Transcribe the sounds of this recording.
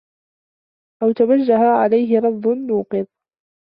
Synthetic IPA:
ʔawt̪awad͡ʒːaɦaʕalajɦɪɾˤɑd̪ˤːʊnːuːqɨð

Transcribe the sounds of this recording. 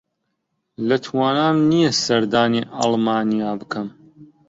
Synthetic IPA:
lɐt̪ʰwaːnaːnnijɐsɐɾd̪aːniːʔɑ̰lˠmaːnijaːbɨkʰɐm

